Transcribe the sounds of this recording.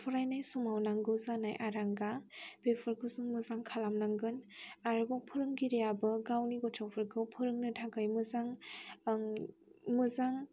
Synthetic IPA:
pʰɯɾajnajsumawnaŋɡɯwzanajʔaɾaŋɡab̥epʰɯɾkʰɯzɯŋmɯzaŋkʰalamnaŋɡɯnaɾɯbawpʰɯɾɯŋɡiɾijabɯɡawniɡɔtʰɔwpʰɯɾɡʰɯwpʰɯɾɯŋnɯtʰaɡajmɯzaŋ | mɯzaŋ

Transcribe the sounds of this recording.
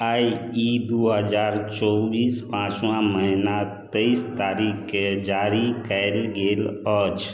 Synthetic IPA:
ajid̪uɦəd͡ʒaɾt͡ʃɔbiːspãt͡ʃwãməɦinat̪əist̪aɾikd͡ʒaɾikəɪlɡeːlət͡ʃ

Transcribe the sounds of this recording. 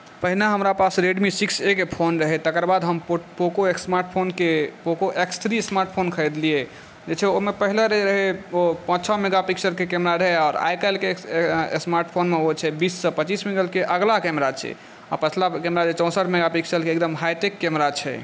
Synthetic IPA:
pəɦilaɦəmɾapasɾeɖmisiksekpʰonɾəɦɛt̪əkəɾbad̪ɦəmpokoeksmaɾʈpʰonkepokoʔekst̪ʰɾismaɾʈ̚pʰonkʰəjd̪lie | d͡ʒet͡ʃʰɛomepəɦileɾeɾəɦɛopə̃sʰɔmeɡapiksəɾkekemɾaɾəɦɛɔːɾa̰jkəlkesmaɾʈpʰonmeot͡ʃʰɛbisːəpət͡ʃismĩŋɡəlkeʔəɡlakɛmɾat͡ʃʰɛ̰ | a̰pət͡ʃʰlakɛmɾad͡ʒet͡ʃɔ̃səʈʰmeɡapiksəɾkeːkd̪əmɦajʈekːɛmɾat͡ʃʰɛ̰

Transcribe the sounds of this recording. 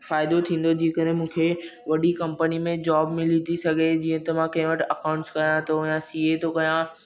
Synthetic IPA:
faːɪd̪ot̪ʰĩːn̆d̪od͡ʑiːkəɾɦɪ̃mũːkʰeʋɐɗikɐ̃mpənimẽd͡ʑaːbmɪlit̪ʰisɐɡʱed͡ʑiːə̃t̪ɐmãkɐ̃ɦɪ̃ʋəʈʰɐkaʊ̃ɳʈskɐɾjãt̪ʰojãsiːet̪ʰokɐɾjã

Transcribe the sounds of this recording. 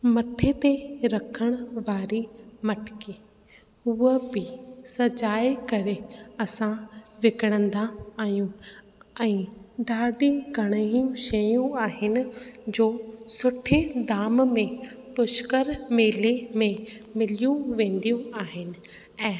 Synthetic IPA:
mɐt̪ʰet̪eɾɐkʰəɽ̃ʊʋaːɾimɐʈʰɪ̥kiː | ʊɦəbɪsɐd͡ʑaːekɐɾeɐsãʋɪkəɽ̃ə̃nd̪aːɦjũ | ɛ̃ːɖaːɖiɡʱɐɽ̃əɦijũʃɐjũaːɦɪnɪ̆d͡ʑoːsʊʈʰed̪aːmmẽpʊʃkəɾmeːlemẽmɪlijũʋẽːn̆d̪ijũaːɦɪnɪ̆ | ɛ̃ː

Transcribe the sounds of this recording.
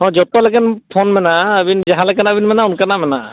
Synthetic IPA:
ɦɔ̃d͡ʒɔt̪ɔlɛkɛnpʰɔnmɛnaəbind͡ʒaɦãlɛkɛnabinmɛnaunkanamɛna

